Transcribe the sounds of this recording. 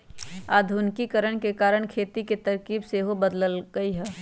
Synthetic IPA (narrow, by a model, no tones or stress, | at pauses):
aːd̪ʱʊnkikəɾəɳ̃kekaːɾəɽ̃kʰeːt̪iket̪ɐɾkiːbseɦobəd̪ləlɡəiɦɛː